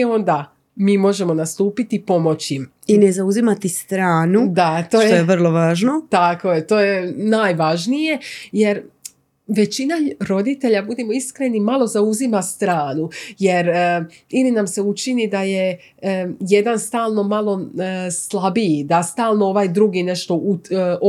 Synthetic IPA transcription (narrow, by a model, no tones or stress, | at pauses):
o̞nd̪a | miːmo̞ʒe̞mo̞nast̪uːpit̪ipo̞mo̞t͡ɕim | inezauzimat̪ist̪ɾaːnud̪at̪o̞ːj̪ojeʋr̩lˠoʋaːʒnot̪ako̞jet̪o̞ːje̞naːjʋaʒnije̞je̞ɾ | ʋe̞t͡ɕinaɾo̞d̪it̪e̞ʎabud̪emo̞iskɾenimalˠo̞zauzimast̪ɾaːnuje̞ɾilinamse̞ut͡ʃinid̪aje | je̞d̪anst̪aːlˠno̞malˠo̞slˠabid̪ast̪aːlˠnooʋaːjd̪ɾuɡine̞ʃt̪o̞uo